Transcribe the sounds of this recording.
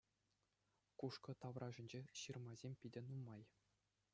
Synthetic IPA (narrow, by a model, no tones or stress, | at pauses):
kuʂkɤ̆t̪ɑʋrɑʐɘ̆nʲd͡ʑeɕɯrmɑzʲemʲpʲidʲɘ̆numɑj